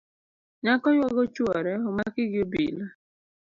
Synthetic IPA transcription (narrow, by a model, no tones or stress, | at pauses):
ɲakɔjwɔɡɔt͡ʃwɔɾɛɔmakɪɡɪobḭla